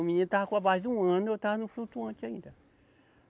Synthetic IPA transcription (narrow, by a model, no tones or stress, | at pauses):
mĩẽtakʷabaziwãanotanũfutuãt͡ʃaĩda